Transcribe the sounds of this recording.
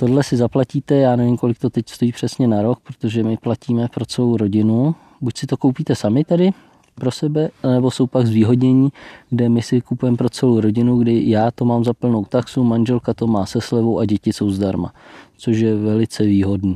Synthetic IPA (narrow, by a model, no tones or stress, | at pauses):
t̪o̞dlɛsɪzaplaciːt̪ɛjaːnɛvɪmko̞lɪk̚t̪o̞t̪ɛcst̪o̞jiːpr̝̥ɛsɲɛnaɾo̞k̚pɾot̪o̞ʒɛmɪplaciːmɛpɾo̞t͡sɛlowɾo̞ɟɪnu | bucsɪt̪o̞ko̞wpiːt̪ɛsamɪt̪ɛdɪ | pɾo̞sɛbɛanɛbo̞so̞wpaɡzviːɦo̞dɲɛɲiːɡdɛmɪsɪkupujɛmɛpɾo̞t͡sɛlowɾo̞ɟɪnuɡdɪjaːt̪o̞maːmzapl̩no̞wt̪aksumanʒɛlkat̪o̞maːsɛslɛvo̞wʔaɟɛcɪso̞wzdaɾma̰t͡so̞ʃ̬jɛvɛlɪt͡sɛviːɦo̞dniː